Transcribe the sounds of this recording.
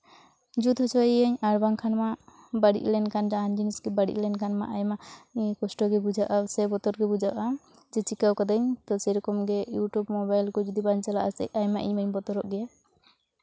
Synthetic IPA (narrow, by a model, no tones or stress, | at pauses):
d͡ʒut̪hɔt͡ʃʰɔajijəɲaɽbaŋkʰanmaʔ | baɽḭʔlɛnkʰand͡ʒaɦand͡ʒinisɡɛbaɽḭʔlɛnkʰanma̰ʔajmakɔsʈɔɡɛbud͡ʒaʔasɛbɔt̪ɔɾɡɛbud͡ʒaʔa | d͡ʒɛt͡ʃikawkad̪aɲt̪ɔsɛɾɔkɔmɡɛjuʈubmɔbajlkɔd͡ʒud̪ibant͡ʃala̰ʔasɛ̰ajmaʔḭɲmaɲbɔt̪ɔɾɔʔɡɛja